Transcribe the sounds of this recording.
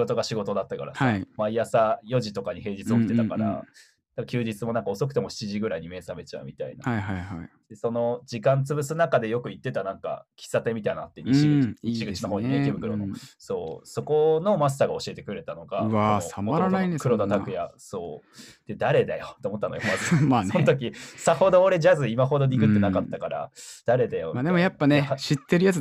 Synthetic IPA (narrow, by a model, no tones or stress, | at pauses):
ɡo̞t̪o̞ɡaɕiɡo̞t̪o̞d̪at̪ːaka̰ɾa̰samaijasajo̞ʑit̪o̞kaɲ̟ihe̞ːd͡ʑit͡st͡sɨo̞kit̪e̞t̪akaɾa̰ | d̪akːakʲɨːd͡ʑit͡sɨmo̞nãŋkao̞so̞kɯ̟t̪e̞mo̞ɕi̥t͡ɕiʑiɡɯ̟ɾaiɲ̟ime̞ːsame̞t͡ɕaɯ̟̰mʲit̪a̰ḭna̰aɦajɦai | d̪eso̞no̞d͡ʑikãnt͡sɨbɯ̟sɨnakad̪e̞jokɯ̟it̪ːe̞t̪anãŋka̰kʲi̥sːat̪e̞mʲit̪ainaːt̪ːeɲʲiiiɕiɡɯ̟t͡ɕinoɦoːɲiet̪ebɯ̟kɯ̟ɾo̞noso̞̰ːso̞ko̞no̞mas̬t̪aːɡao̞ɕie̞t̪e̞kɯ̟ɾe̞t̪ano̞ɡaβaamoaɾaaĩkɯ̟ɾod̪at̪akkɯ̟ja̰so̞ːd̪̥e̞d̪aɾe̞d̪ajot̪eomo̞t̪ːanojomasmasõnt̪ok̬ʲisaho̞d̪o̞ːɾe̞ʑazɨimaɦo̞d̪o̞ɲʲikɯ̟t̪ːe̞nakat̪ːakaɾa̰d̪̥aɾe̞d̪ajomaːd̪emojapːaneɕit̪ːe̞ɾɯ̟jat͡s